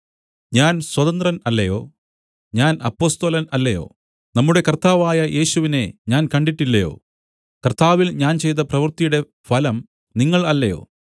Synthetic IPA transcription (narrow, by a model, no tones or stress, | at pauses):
ɲaːnswɐt̪ɐnd̪rɐnɐlːɐjo̞̰ː | ɲaːnɐpːo̞ːst̪oːlɐnɐlːɐjo̞̰ː | nɐmːuɽe̞kɐrt̪aːʋaːjɐjʔe̞ːɕuʋine̞ɲaːnkɐɳɖiʈːilːɐjo̞̰ː | kɐrt̪aːʋilɲaːnt͡ɕe̞jt̪ɐprɐʋirt̪ijuɽe̞ | fɐlɐm | niŋːɐɭɐlːɐjo̞̰ː